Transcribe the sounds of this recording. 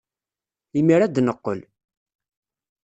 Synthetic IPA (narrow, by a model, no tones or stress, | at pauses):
imiɾæd̪nəqːə̰l